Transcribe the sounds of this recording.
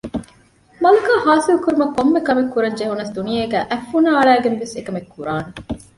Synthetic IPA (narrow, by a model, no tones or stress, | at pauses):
mɐlukaːhaːsilukuɾumɐkːomːekɐmekːuɾɐɲd͡ʒeɦunːɐsd̪unijeːɡæːʔæfːunaːɐɭæːɡenʋesekɐmekʰːuɾaːne